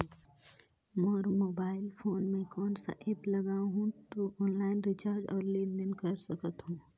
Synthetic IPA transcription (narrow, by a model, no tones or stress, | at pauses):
mɔːɾmoːbaːɪlpʰoːnmẽkɔːnsa̰ʔeplɐɡaːɦũt̪oʔɔːnlaːɪnɾɪt͡ʃaːɾd͡ʒɔːɾleːnd̪ɪnkəɾsəkət̪ɦũː